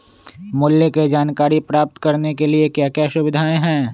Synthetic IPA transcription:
mʊljəked͡ʒaːnkaːɾipɾaːp̚t̪kɐɾnekeliekjaːkjaːʃʊʋɪd̪ʱaːẽɦɛ̃ː

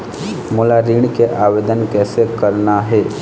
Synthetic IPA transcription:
moːlaɾiːɳ̃keʔaːʋeːd̪ənkɛːsekəɾnaɦɛː

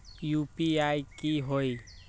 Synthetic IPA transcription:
juːpiaːikiɦoi

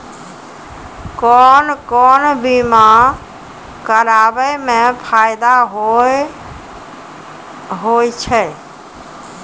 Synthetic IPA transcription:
kɔnkɔnbima | kəɾabəjmẽpʰajd̪aɦ | ɦojt͡ʃʰɛ

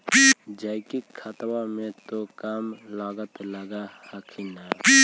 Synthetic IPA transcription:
d͡ʒaːɪkikʰat̪wamẽt̪okaːmlaːɡət̪ləɡahakʰina

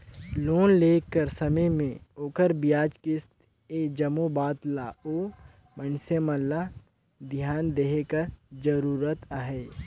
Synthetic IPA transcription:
loːnleːkːəɾsɐməjmẽoːkəɾbijaːd͡ʒkɪst̪ | eːd͡ʒɐmobaːt̪laːoː | mənseməlːa | d̪ʱjaːnd̪eɦekəɾd͡ʒəɾuːɾət̪aɦɛː

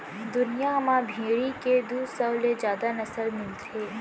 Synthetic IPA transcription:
d̪ʊnijaɦmabʱeːɽiked̪uːsɐwled͡ʒjaːd̪anɐsəlmɪlt̪ɦeː

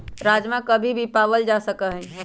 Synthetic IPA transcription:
ɾad͡ʒmãkəbʱibʱipaʋəld͡ʒasəkəɦɛ̃

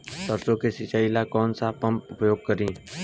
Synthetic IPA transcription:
t̪əɾsõkesɪt͡ʃailakɔːnsapɐ̃mpʊpəjoːɡ̚kəɾĩː

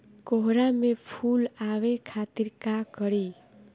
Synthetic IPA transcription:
koɦɾamepʰulawekʰat̪iɾkaɡʌɾi

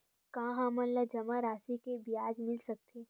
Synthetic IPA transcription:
kaːɦãːmɐ̃nlɐd͡ʒɐmaɾaːsikebijaːd͡ʒmɪlsɐk̚t̪ʰeː

